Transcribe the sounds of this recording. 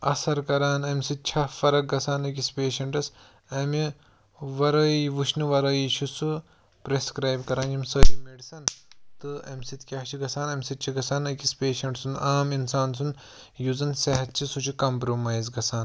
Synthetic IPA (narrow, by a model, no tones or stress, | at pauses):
ɐ̰sɐɾkɐɾaːnɐmsit̪̚t͡ʃʰɐfɐɾɐk̚ɡɐsaːnɐkispeːʃɐɳʈɐs | ɐmi | ʋɐɾɐʋuʃniʋɐɾɐːjit͡ʃʰusu | pɾeskɾaːjbkɐɾaːnjimsəjmeɖisɐnt̪ɨɐmʲsit̪kʲaɦt͡ʃʰiɡɐsaːnɐmʲsit̪̚t͡ʃʰiɡɐsaːnɐkispeːʃɐɳʈsunaːminsaːns̬un | juzɐnsɐɦɐt̪̚t͡ʃʰisut͡ʃʰikɐmpɾomaːjzɡɐsʰaːn